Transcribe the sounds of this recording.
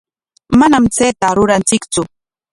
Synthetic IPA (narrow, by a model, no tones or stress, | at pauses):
manamt͡seːt̪aɾʊɾant͡sɪkt͡sʊ